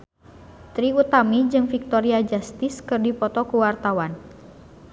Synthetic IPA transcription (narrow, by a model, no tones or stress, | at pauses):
t̪ɾiut̪amid͡ʒɨŋfik̚t̪ɔɾiad͡ʒast̪iskɨrdipɔt̪ɔkuwart̪awan